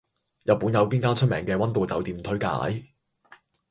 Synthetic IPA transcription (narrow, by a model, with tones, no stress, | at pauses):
jɐ˨t̚pːuː˨˥njɐ˨˧wpiː˥nkaː˥t͡ʃʰɵ˥t̚mɛ̰ː˨˩ŋkɛː˧wɐ˥nt̪o˨˧wt͡sɐ˨wt̪iː˨˩mt̪ʰɵ˥ɥka̰ː˨˥j